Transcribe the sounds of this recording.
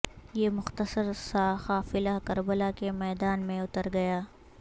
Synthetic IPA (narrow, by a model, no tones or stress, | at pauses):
jeːmʊxt̪əsəɾsaːxaːfɪlakɐɾbəlakemɛːd̪aːnmẽʊt̪əɾɡɐjaː